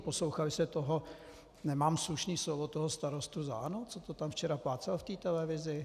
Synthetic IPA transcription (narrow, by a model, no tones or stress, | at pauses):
po̞slowxalɪsɛt̪oɦo | nɛmaːmsluʃniːslovot̪oɦost̪aɾost̪uza̰anot͡sot̪ot̪amft͡ʃɛɾaplaːt͡sɛlft̪iːt̪ɛlɛvɪzɪ